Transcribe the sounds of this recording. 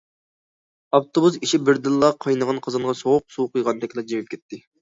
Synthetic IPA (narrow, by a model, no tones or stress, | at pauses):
ɑft̪ʰobusiʃibɪɾd̪ɨlˠːɑqʰɑjnəʁɑnqʰəzɨɴʁɑsoʁʊq̚suwqʰɨjʁɑnd̪ɛkʲlˠɑd͡ʒewɪp̚kʲʰɛt̪ʰːɪ